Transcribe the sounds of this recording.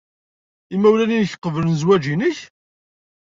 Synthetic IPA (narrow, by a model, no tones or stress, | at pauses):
imæwlælinəçqːəvlənzwæd͡ʒinəç